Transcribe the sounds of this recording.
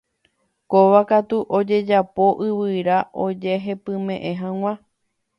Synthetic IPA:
koʋakat̪uʔod͡ʒe̞d͡ʒapo̞ʔɨβɨɾaʔo̞d͡ʒeɦepɨ̃mẽʔẽ̞ɦãŋ̃ʷã

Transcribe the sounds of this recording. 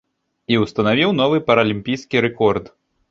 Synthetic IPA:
iwst̪ɐnavʲiwnɔvɨpɐɾɐlʲimʲpʲijskʲiɾɛkɔrd̪

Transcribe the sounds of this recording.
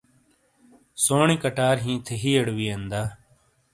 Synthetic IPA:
soːɳĩːkəʈaːɾɦĩːt̪ʰeɦiːəɽʋiːend̪aː

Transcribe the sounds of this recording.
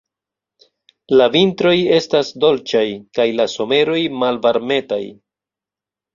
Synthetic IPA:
lavintɾo̞je̞stasdo̞lt͡ʃajkajlaso̞me̞ɾo̞jmalvaɾme̞ta̰j

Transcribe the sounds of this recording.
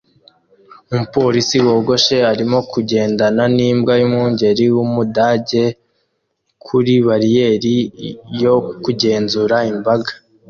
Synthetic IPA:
umupo̞ɾisiwo̞ːɡo̞ʃe̞aɾimo̞kʰuɟe̞ːndananiːmbɡajumuːɲɟe̞ɾiwumudaːɟe̞ | kʰuɾiβaɾije̞ɾijo̞kuɟe̞ːnzuɾaimbaɡḁ

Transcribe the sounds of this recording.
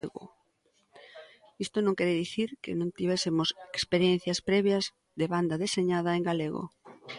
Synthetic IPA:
ɣʊ̰ | ist̪onõŋkɛɾɪðiθiɾkḛnõŋt̪iβ̞ɛsɪmosekspeɾjɛn̟θjɐspɾɛβjɐz | ðeβand̪ɐðeseɲað̞ɐeŋɡaleɣo̰

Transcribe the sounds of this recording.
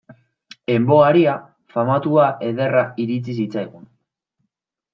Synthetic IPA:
e̞mbo̞aɾia | famat̪uaʔe̞ð̞e̞raiɾit͡sis̬it͡sajɣun

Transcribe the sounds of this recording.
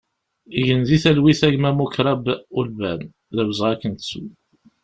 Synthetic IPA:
iʝənziθælwiθæʝmæmukɾˤɑbulbæn | ðæwzʁækːənt̪t͡sːṵ

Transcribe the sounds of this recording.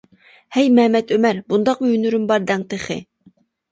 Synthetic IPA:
hɛjmɛhmɛt̪ʰømæɾbund̪ɑqmʊynyɾymbɑɾd̪ɛŋt̪eχɪ̰

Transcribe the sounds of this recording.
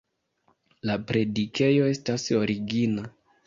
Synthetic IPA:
lapɾe̞dike̞jo̞e̞staso̞ɾiɡina

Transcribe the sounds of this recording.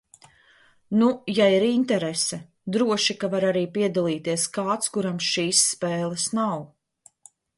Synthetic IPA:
nujaiɾint̪ɛɾɛsɛ | d̪ɾuɔʃikavaɾaɾiːpiɛd̪alˠiːt̪iɛskaːt̪skuɾamsʃiːsːpɛːlˠɐsnaw

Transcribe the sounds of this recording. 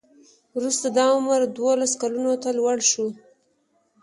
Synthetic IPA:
wɾust̪ad̪ɑʊməɾd̪wolaskalunot̪alwaɽʃu

